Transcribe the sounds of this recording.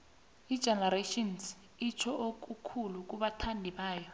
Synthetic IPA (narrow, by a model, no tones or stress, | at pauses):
id̥ʒ̥ʱɛnaɾaʃɔns | it͡ʃʰɔʔok̬ʼukʰuluk̬ʼuɓatʰandʱiɓaːjɔ